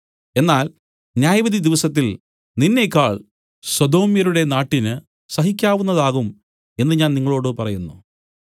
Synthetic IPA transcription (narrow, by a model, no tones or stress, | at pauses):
e̞nːaːl | njaːjɐʋɐd̪id̪iʋɐsɐt̪̬ːil | ninːe̞kːaːɭ | swɐd̪o̞ːmjɐɾuɽe̞naːʈːinɨ | sɐɦikʲːaːʋunːɐðaːɣum | e̞nːɨɲaːnniŋːɐɭo̞ːɽɨpɐrɐjunːṵ